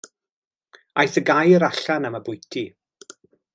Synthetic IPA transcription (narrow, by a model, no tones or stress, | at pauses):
ajθəɡajəɾaɬanamabʊjtʰi